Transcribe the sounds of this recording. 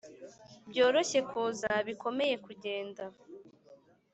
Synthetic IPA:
bjo̞ːɾo̞çe̞kʰuːzaβiko̞me̞je̞kuɟe̞ːnda

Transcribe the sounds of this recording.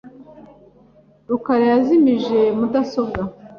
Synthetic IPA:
ɾukaɾejazimiʒe̞mudaso̞bɡa

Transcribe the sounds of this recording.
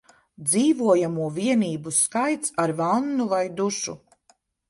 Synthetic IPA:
d̪ziːvuɔjamuɔviɛniːbuskajt̪saɾvanːuvajd̪uʃṵ

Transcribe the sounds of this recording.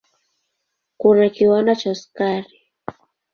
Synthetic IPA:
kʊnakiwanat͡ʃaskaɾɪ

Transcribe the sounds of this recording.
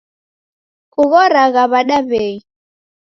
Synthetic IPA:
kʼuɣɔɾaɣaβaɗaβeːi

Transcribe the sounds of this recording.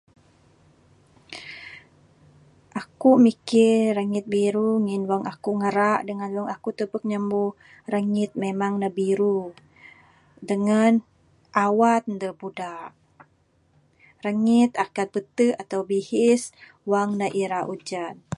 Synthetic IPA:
ʔakumikɪɾaŋɪt̪̚biɾuŋɪnwaŋʔakuŋəɾaʔdəŋanwaŋakut̪əpək̚ɲəmbu | ɾaŋɪt̪̚memaŋnabiɾu | dəŋan | ʔawat̪̚nd̪ərpudaʔ | ɾaŋit̪akat̪̚bət̪əat̪awbihɪs | waŋnaʔiɾaʔud͡ʒan

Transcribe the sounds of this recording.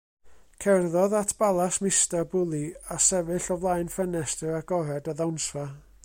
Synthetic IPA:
kʰɛrðɔðatʰb̥alˠasmɪstarbʊlˠiasɛvɨɬɔvlˠajnfɛnɛstəɾaɡɔɾɛdaðawnsva

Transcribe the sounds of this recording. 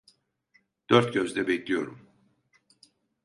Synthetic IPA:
d̪̥øɾt̪̚ɟøzd̪ɛbɛclʲijo̞̰ɾum

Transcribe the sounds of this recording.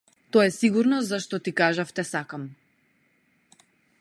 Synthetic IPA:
t̪ɔɛsiɡuɾnɔzaʃt̪ɔt̪ikaʒaft̪ɛsakam

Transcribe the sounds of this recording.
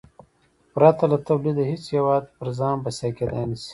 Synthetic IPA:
pɾɑt̪alat̪ɐwlid̪aɦit͡sjewɑːd̪pəɾzɑːnbɐsakeːd̪a̰nisi̥

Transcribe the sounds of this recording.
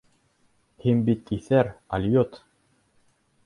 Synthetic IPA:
hinbit̪iθæɾɐlʲjot̪

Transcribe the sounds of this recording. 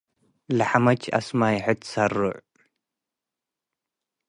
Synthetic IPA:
laħamɐt͡ʃɐ̰smaːjħɨt̪sɐrʊ̰ʕ

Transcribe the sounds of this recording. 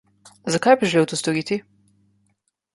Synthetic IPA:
zɐkajbiʒɛleːwt̪ust̪ɔɾiːt̪i

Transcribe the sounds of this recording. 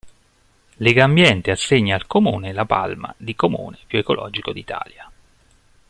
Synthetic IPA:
leɡambjɛnt̪easːeɲːaːlkomuːnelapa̰lma̰d̪ikomṵːnepjuekolʔɔ̰ːd͡ʒikod̪it̪ʰa̰ːlja

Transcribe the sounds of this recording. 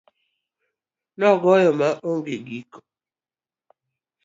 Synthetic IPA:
nɔɡɔjɔmaʔoŋɡeɡikɔ̥

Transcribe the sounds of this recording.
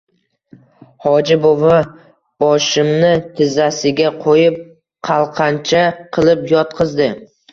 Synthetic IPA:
hɒd͡ʒɪbova | b̥ɒʃɪmnɪt̪ʰɪzasɪɡʲaqʰojɪp̚ | qʰɑlˠqʰɑnt͡ʃʰaqʰɨlˠɪpjɒt̪̚qʰɨzd̪ɪ

